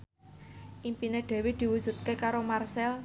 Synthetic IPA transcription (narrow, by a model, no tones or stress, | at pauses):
ʔimpineɖ̪̥ɛ̤wed̪̥i̤wudʒ̥ṳt̪̚kekaɾomarsɛl